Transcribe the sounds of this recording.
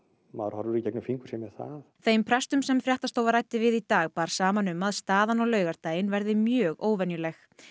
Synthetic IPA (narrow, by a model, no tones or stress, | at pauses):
ma̰ðɾhɔɾðʏɾicɛknʏfiŋkʏ̥sɛmɛθa̰ðθejmpʰɾɛst̪ʏmsɛmfjaht̪ast̪oːwvaɾajt̪ɪvɪðit̪aːɣpaːɾ̥saːmanʏmaðst̪aːðanɔɣlœːɥɣaɾ̥t̪aːjɪnvɛɾðɪmjœːɣoːwvɛnjʏlɛx